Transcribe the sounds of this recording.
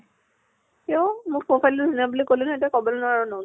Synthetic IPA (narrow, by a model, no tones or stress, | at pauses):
kiɔmʊk̚pɹopʰajluzinabulikolinetiakɔbɔlnʊaɹunɔ